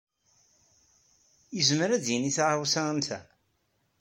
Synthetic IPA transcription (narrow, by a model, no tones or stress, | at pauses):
jəzməɾæd̪jəniθʁawsant̪æ̰